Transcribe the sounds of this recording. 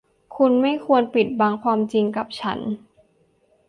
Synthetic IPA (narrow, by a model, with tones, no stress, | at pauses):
kʰu˧nma˥˩jkʰu˧ənpi˨˩t̪̚baː˧ŋkʰwaː˧mt͡ɕi˧ŋka˨˩p̚t͡ɕʰa˦˥n